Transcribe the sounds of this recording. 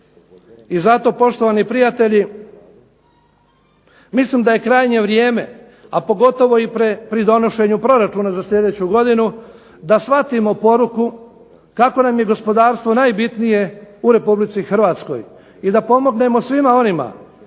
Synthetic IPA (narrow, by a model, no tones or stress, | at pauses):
izat̪o̞po̞ʃt̪oʋanipɾijat̪e̞ʎi | mislimd̪aje̞kɾaːjɲe̞ʋɾje̞ːme̞̰ | apo̞ɡo̞t̪o̞ʋo̞ipɾepɾid̪o̞no̞ʃe̞ɲupɾo̞ɾat͡ʃunazasʎʲe̞d̪e̞t͡ɕuɡo̞d̪inu | d̪asʋat̪imo̞po̞ɾuku | kako̞namje̞ɡo̞spo̞d̪aːɾst̪ʋo̞naːjbit̪nije̞uɾe̞publit̪sixr̩ʋaːt̪sko̞̰j | id̪apo̞mo̞ɡne̞mo̞sʋimao̞nima̰